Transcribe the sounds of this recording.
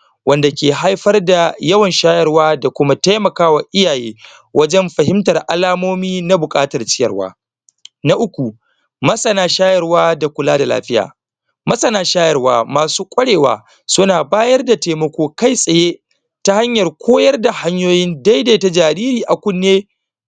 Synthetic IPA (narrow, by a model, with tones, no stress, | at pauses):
wɐ˦nda˨kʲeː˨ɦa˦jɸɐ˦rda˨jɐ˦wɐ˨nʃaː˦jɐ˨rwaː˦da˨kʷʊ˦ma˦ta˦jmɐ˨kaː˦wa˨ʔɪ˦jaː˨jeː˦ | wʔɐ˦d͡ʒɛ˦mɸɐ˨ɦɪ˦mtɐ˨rʔa˦laː˦moː˦miː˦na˦bʊ˨kʼaː˦tɐ˨rt͡ʃɪ˦jɐ̰˨rwa̰ː˦˨ | na˦ʔʊ˦kʷu˨ | mɐ˦sʼɐ˨naː˦ʃaː˦jɐ˨rwaː˦da˨kʷʊ˨laː˦da˨la̰ː˦ɸɪ˦ja̰ː˨ | mɐ˦sʼɐ˨naː˦ʃaː˦jɐ˨rwaː˨maː˨suː˦kʷʼɐ˦ɽeː˨wa̰ː˨ | sʊ˦naː˨baː˦jɐ˦rda˨teː˨mɐ˦kʷoː˦ka˦˨jsʼɐ˨jeː˦ | ta˦ha˦ɲjɐ˨rkʷʰoː˦jɐ˦rda˨ha˦ɲjoː˦jɪ˦nda˦jdeː˨ta˦d͡ʒaː˨ɾiː˦ɾiː˨ʔa˨kʷʊ˦nːeː˦